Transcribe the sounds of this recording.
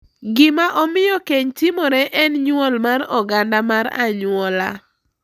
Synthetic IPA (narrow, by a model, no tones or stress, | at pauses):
ɡɪmaʔɔmɪjɔkeɲtɪmɔɾɛʔɛnɲwɔlmaɾɔɡandamaɾa̰ɲʊɔla